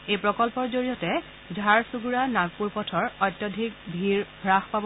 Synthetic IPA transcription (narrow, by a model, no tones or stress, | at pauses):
ejpɹɔkɔlpɔɹzoɹijɔtɛ | zʱaɹsuɡuɹanaɡ̚puɹpɔtʰɔɹɔjtːjɔdʱik̚bʱiɹbʱɹaxpabɔ